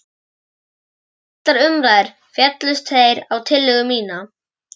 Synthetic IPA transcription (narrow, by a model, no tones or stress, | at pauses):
a | t̪laɾʏmɾaɾ̥ | fjɛt̪lʏst̪θejɾawt̪ʰɪlːʏɣʏmiːna